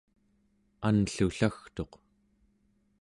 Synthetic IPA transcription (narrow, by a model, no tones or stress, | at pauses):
anɬuɬaxt̪o̞q